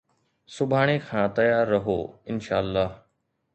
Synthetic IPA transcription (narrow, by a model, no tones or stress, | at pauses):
sʊbʱaːɽ̃ekʰãːt̪ɐjaːɾːɐɦo̰ːɪnʃa̰ːəlːaːɦ